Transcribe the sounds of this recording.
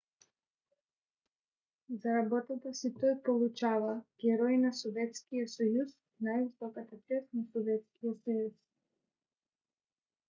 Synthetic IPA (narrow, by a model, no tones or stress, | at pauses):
zaɾabɔt̪at̪asit̪ɔjpɔlˠut͡ʃavaɡ̥ɛɾɔinasɔvɛt̪skijɔsɔjus | najvisɔkat̪akɛsnasɔvɛt̪skijɔsɔjis